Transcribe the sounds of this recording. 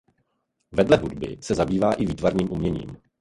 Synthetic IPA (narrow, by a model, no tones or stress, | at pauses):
vɛdlɛɦudbɪ̰sɛzabiːvaːʔɪviːt̪vaɾɲiːmʔumɲɛɲḭːm